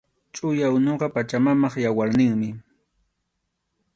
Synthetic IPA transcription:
t͡ʃʼʊjawnoɢɑpat͡ʃamamɑχjawaɾnɪŋmɪ

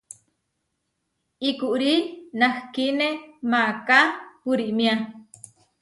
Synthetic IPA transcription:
ikuʔɾinahkinemakapuɾiʔmia

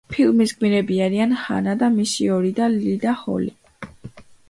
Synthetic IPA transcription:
pʰilmisɡwiɾɛbiaɾianha̰nad̪amisiɔɾid̪alid̪ahɔ̰li

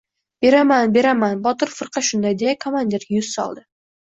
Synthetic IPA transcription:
b̥e̞ɾamanbe̞ɾamanbɒt̪ɨɾfɨɾqʰɑʃʊnd̪ajd̪ejakʰomand̪e̞ɾjʊz̥sɒ̰lˠd̪ɪ

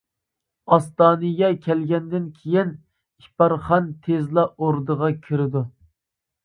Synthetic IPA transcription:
ɑst̪ɑːnɨɡʲɛkʲʰɛlɡʲɛnd̪ɪnkʲʰejin | ipɑɾχɑnt̪ʰezlˠɑoɾd̪əʁɑkʲʰyɾɪd̪u

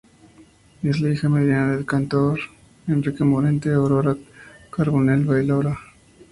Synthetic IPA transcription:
e̞slaixame̞ðjanaðelkant̪oɾ | enrikemoɾent̪eoɾoɾakaɾβonelβajloɾa

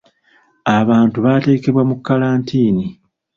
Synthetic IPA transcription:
aβaːntuβate̞ːke̞βwamukːalaːntʰiːni

